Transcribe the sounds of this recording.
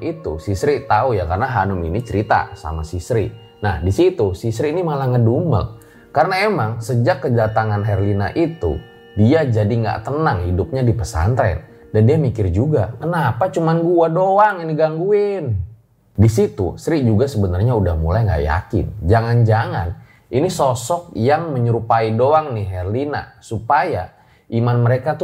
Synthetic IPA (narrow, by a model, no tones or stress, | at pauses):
it̪usisɾit̪aujakarənaɦanʊmḭnit͡ʃəɾit̪a̰sa̰ma̰sisɾi | nahdisit̪usisɾiːnimalahŋədumə̰l | karənaemaŋsəd͡ʒakːədat̪aŋanɦɛrlina̰ʔit̪ṵ | diad͡ʒadiŋɡa̰ʔt̪ənaŋhidʊp̚ɲadipəsa̰nt̪ɾɛ̰n | dandiamikɪrd͡ʒuɡakənapat͡ʃumanɡuadoaŋiniɡaŋɡuɪn | disit̪ṵsɾiʔd͡ʒuɡasəbənarɲaudahmṵlajŋɡa̰ʔja̰kɪ̰nd͡ʒaŋand͡ʒaŋa̰n | ʔinisɔsɔk̚jaŋməɲəɾupaidoaŋniɦɛrlina̰supaja̰ | ʔimanməɾekat̪